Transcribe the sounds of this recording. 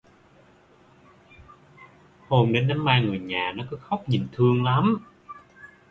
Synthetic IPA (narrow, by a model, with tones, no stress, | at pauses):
ho˧mɗe˨˦nːa˨˦mːaː˧jŋɨ˨˩əjɲaː˨˩nɔ˨˦kɔ˨˦xɔ˦˥wk͡p̚ɲi˨˩ŋ̟t̪ʰɨ˧əŋla˨˦m